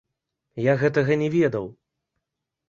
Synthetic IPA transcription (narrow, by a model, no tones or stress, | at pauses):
jaɣɛt̪ɐɣɐnʲɛvʲɛd̪ɐw